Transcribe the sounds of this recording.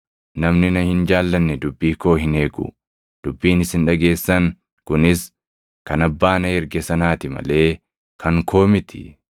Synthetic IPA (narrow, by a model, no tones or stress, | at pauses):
nɐmnɪnɐhɪnd͡ʒaːlːɐnːɛd̪ʊbːiːko̞ːɦɪne̞ːɡʊ̰ | d̪̥ʊbːiːnɪsɪnᶑɐɡe̞ːsːɐŋ | kʊnɪs | kɐnɐbːaːnɐɛɾɡɛsɐnaːt̪ɪmɐ̰le̞ː | kʰɐŋkʰo̞ːmɪt̪ʰɪ̥̰